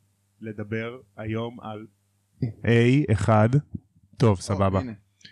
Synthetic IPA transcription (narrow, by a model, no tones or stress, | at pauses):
le̞d̪abe̞ʁ | ajo̞ma̰l | ʔejeχad | to̞vsababa